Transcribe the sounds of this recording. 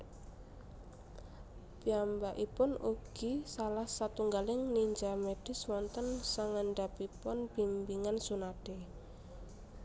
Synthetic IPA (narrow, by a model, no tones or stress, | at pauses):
piambaʔipʊnuɡ̥isalahsat̪uŋɡalɪŋniɲd͡ʒameɖ̥ɪ̤swɔnt̪ənsaŋaɳɖapipʊnb̥imbiŋansunaɖ̥e